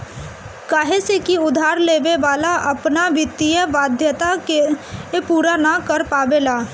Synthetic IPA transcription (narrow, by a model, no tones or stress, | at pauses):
kaːɦesekiʊd̪ʱaːɾleːʋeʋaːlaʔɐpnaʋɪt̪ːijəʋaːd̪ʱjət̪akeepuːɾanakəɾpaːʋelaː